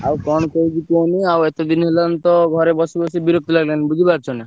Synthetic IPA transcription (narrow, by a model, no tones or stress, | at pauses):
awkɔñkɔid͡ʒikoniawet̪ɔd̪inɦelant̪ɔɡʱɔɾebɔsibɔsibiɾok̚t̪ɔlaɡlanibud̪ʱibaɾ̚t͡ʃʰɔna